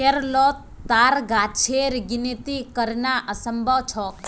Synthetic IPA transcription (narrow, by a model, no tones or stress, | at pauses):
keɾlɔt̪ː | aɾɡat͡ʃʰeɾɡinit̪ikəɾnaʔəsəmbʱət͡ʃʰɔk